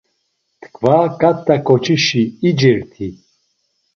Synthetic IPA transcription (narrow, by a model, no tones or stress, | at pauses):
t̪kʰvakat̪ːakɔt͡ʃʰiʃiːd͡ʒiɾt̪ʰi